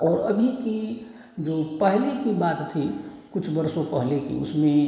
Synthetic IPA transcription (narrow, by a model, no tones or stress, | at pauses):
ɔːɾəbʱiki | d͡ʒoːpəɦlekibaːt̪ːʰikʊt͡ʃʰbəɾsõpəɦlekḭʊsmẽ